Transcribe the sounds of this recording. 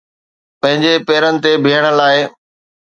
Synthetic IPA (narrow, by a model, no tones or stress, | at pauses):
pɐ̃ɦɪ̃ɲd͡ʑepeːɾənɪ̆t̪ebʱiːəɽ̃ə̆laːɪ